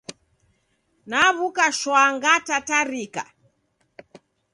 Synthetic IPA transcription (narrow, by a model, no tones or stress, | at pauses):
naβukaʃwaŋɡatataɾika̰